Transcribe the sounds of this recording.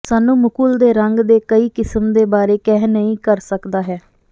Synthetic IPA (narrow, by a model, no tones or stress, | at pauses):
saːnũːmʊkuːld̪eːɾəŋɡd̪eːkəiːkɪsəmd̪eːbaːɾeːkɛːnəĩːkəɾsəkd̪aːɦɛː